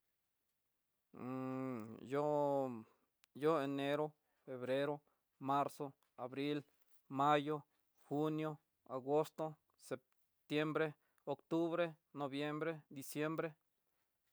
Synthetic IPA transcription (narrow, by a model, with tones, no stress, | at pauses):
jo˦ | jo˦e˨ne˦ɾo˦ | fe˨βɾe˦ɾo˦ | ma˦ɾso˦ | a˨βɾi˦l | ma˦jo˦ | xu˦njo˦ | a˨ɡo˦st̪o˦ | se˨p | t̪je˦mbɾe˦ | o˨kt̪u˦βɾe˦ | no˨βje˦mbɾe˦d̪i˨sje˦mbɾe˦